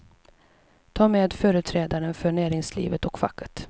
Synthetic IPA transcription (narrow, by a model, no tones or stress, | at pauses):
t̪ʰɑːmeːd̪fœːɾɵt̪ʰɾɛːd̪aɾənfœɳæːɾɪŋslḭːvət̪ɔkfa̰kʰːə̥t̪